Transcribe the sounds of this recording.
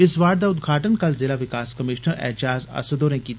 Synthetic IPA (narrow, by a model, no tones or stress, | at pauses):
ɪsʋaːɾd̪aʊd̪ɡʱaːʈənkɐlzɪːlaʋɪkaːskɐmɪːʃnəɾɛ̰ːt͡ʃaːzɐ̰səd̪oːɾẽkiːt̪